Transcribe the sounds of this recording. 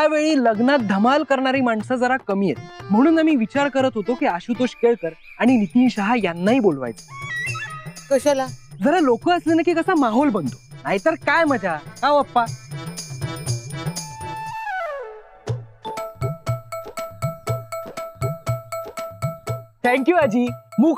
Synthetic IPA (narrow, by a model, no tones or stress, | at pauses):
aʋeɭiːləɡnat̪̚d̪ʱəmalkəɾɳaɾiːmaɳsəd͡zəɾakəmiːjet̪̚m̤əɽ̃uːnamiːʋit͡ɕaɾkəɾət̪ɦot̪okiaɕut̪oɕkeɭt̪əɾ | aɽ̃init̪iːnɕaɦajanːaiːbolʋa̰jt͡se̥ | kəɕalad͡zəɾalokəːəslenakiːkəsamaɦɔlbənt̪onaɦit̪əɾkajməd͡ʑakaəpːa | t̪ʰɛ̃ŋkjuad͡ʑiːmuːɡ